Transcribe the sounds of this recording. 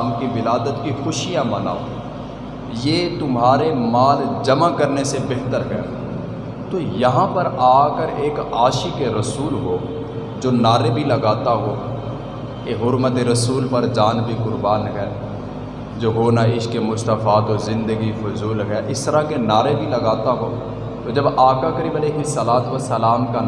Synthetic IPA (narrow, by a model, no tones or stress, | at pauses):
mkibɪlaːd̪ət̪kixʊʃijamɐna̰ːo | jeːt̪ʊmɦaːɾemaːld͡ʒɐmakɐɾnesebɛɦt̪əɾɦɛ̰ː | t̪oːjɐɦãpɐɾaːkəɾeːkaːʃikeɾɐsuːlɦoː | d͡ʒoːnaːɾebʱilɐɡaːt̪aɦoː | keɦʊɾmət̪eɾəsuːlpɐɾd͡ʒaːnbʱikʊɾbaːnɦɛː | d͡ʒoːɦoːnaɪʃkemʊst̪əfaːt̪ozɪ̃nd̪əɡifʊzuːlɦɛːʔɪst̪əɾakenaːɾebʱilɐɡaːt̪aɦoː | t̪od͡ʒɐbaːkakəɾiːbəleːɦɪsəlaːt̪ʋəsəlaːmka